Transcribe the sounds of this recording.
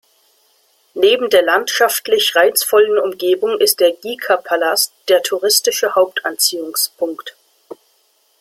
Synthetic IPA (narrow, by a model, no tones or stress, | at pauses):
neːbm̩deːɐlantʃaftlɪçʁaɪt͡sfɔlənʊmɡeːbʊŋɪst̚d̥eːɐɡiːkʰapʰalastd̥eːɐtʰuʁɪstɪʃəhaʊp̚tʰʔant͡siːʊŋspʰʊŋkt